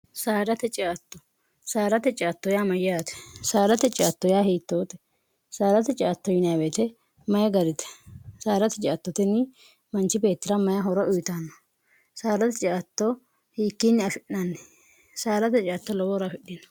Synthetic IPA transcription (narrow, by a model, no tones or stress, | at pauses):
saːɾɐt̪ɛt͡ʃʼaːt̪ːɔ̥ | saːɾɐt̪ɛt͡ʃʼaːt̪ːɔjaːmɐjat̪ɛ̥saːɾɐt̪ɛt͡ʃʼaːt̪ːɔjaːhiːt̪ːoːt̪ɛ̥ | saːɾɐt̪ɛt͡ʃʼaːt̪ːɔjɪnjabeːt̪ɛ | mɐjɛɡɐɾɪt̪ɛ̥saːɾɐt̪ɛt͡ʃʼaːt̪ːɔt̪ɛnːɪ | mɐnt͡ʃːɪbe̞ːt̪ːɪɾɐmɐjɐɦɔɾɔʔʊjɪt̪anːɐ | saːdɐt̪ɛt͡ʃʼaːt̪ːɔ | hiːkːinːɪɐfɪɗnɐnːɛ̥ | saːɾɐt̪ɛt͡ʃʼaːt̪ːɔlɔwɔɾɐfɪɗːɪnɐ̥